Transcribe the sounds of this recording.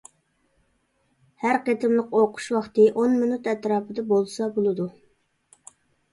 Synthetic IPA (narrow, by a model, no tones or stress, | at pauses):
hæɾqet̪ʰɪmlˠəqoqʰʊ̥ʃwɑχt̪ɨʔonmɪnut̪ɛt̪ɾɑːpʰɨd̪ɑbolˠsɑbolˠɨd̪u